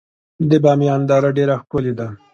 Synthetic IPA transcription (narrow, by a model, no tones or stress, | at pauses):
d̪əbɑmjɑnd̪ɑɾaɖeɾaxkʊled̪a